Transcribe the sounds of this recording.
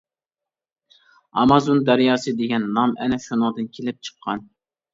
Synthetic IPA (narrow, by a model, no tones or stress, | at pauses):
ɑmɑzond̪æɾjɑːsɨd̪eɡʲɛnːɑmɛ̰nɛʃunəʁd̪ɨnkʲʰelɪp̚t͡ʃʰə̥qʰːɑn